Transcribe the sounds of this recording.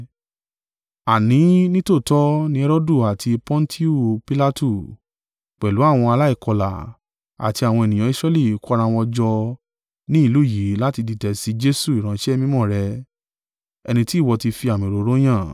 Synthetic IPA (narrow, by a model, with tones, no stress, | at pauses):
a˨nĩ˨˦nĩ˦to˦˨tɔ˦nĩ˧˦ɛ˧ɾo˦du˦˨a˨tʰi˧pɔ̃˦n̩˦tʰi˦u˦˨pi˦la˦tu˦˨ | k͡pɛ˨lu˨˦a˦˨w̃ɔ̃˧a˧la˦i˦˨kɔ˧la̰˨ | a̰˨ti˧a˨w̃ɔ̃˧ɛ˨nĩ˨j̃ã˨˦i˦sɾɛ˧li˦˨ku˦˧ɾã˧w̃ɔ̃˧d͡ʒɔ˧ | nĩ˦i˦˧lu˦˨ji˨˦la˦ti˧di˧tɛ˨si˨˦d͡ʒe˦su˦˨i˨ɾ̃ã˨˦ʃɛ˦˧mĩ˦mɔ̃˦˨ɾɛ˧ | ɛ˧nĩ˧ti˦˨wɔ˧ti˧fi˧a˨mĩ˨ɾo˨˦ɾo˦j̃ã˦˨